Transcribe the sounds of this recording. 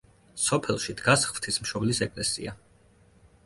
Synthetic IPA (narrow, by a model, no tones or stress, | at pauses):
sɔpʰɛlˠʃid̪ɡasχv̥t̪ʰismʃɔblisɛkʼlɛsḭa